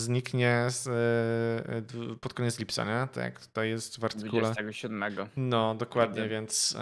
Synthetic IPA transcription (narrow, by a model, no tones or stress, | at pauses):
zɲikɲɛs | d̪pɔt̪̚kɔɲɛt̪slʲipt̪sa̰ɲɛt̪a̰kt̪u̥t̪ajːɛst̪vaɾt̪ɨvukuɛlsɛɡɔɕud̪mɛɡɔnɔd̪ɔkwad̪ɲɛvʲjɛnt̪s